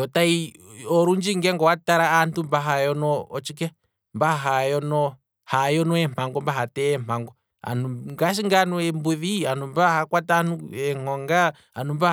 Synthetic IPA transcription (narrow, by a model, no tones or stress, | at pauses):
jɔtai | ɔɾuɲd͡ʒiŋɡɛŋɡɔwataɾaantumbaɦajɔnɔːt͡ʃikɛ | mbaɦajɔnɔ | hajɔnɔɛm̥aŋɡɔmbaɦatɛːm̥aŋɡɔ | a̰nuŋɡaʃ̬iŋɡanuɛmbuðianumbahakwatanuɛŋɔŋɡa | anumba